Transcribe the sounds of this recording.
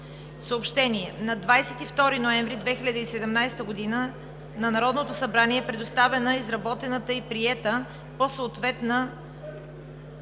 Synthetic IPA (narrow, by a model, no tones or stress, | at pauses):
səopʃt̪ɛniɛnɐd̪vajsɛt̪ift̪ɔɾinoɛ̃ɱvɾid̪vɛxilʲɐd̪əisɛd̪ɛmnajst̪əɡod̪inə | nɐnɐɾɔd̪not̪osɐbɾaniɛpɾɛd̪ost̪avɛnəizɾɐbɔt̪ɛnət̪əipɾiɛt̪ə | posəːt̪vɛt̪nə